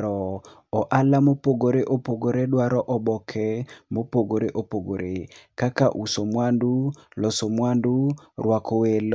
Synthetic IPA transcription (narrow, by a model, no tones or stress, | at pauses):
ɾɔ | ɔʔalamopoɡoɾeʔopoɡoɾedwaɾɔʔɔbɔkʰɛmopoɡoɾeʔopoɡoɾekaka̰ʔusomwandulɔsomwandurwakowel